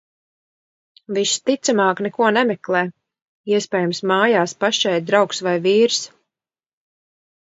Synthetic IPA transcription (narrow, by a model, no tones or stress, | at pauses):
viʃt̪it̪samaːknɛkuɔnɛmɛklˠɛː | iɛspʲɛːjumsmaːjaːspaʃt͡ʃɛjd̪̚d̪ɾawksvajviːɾs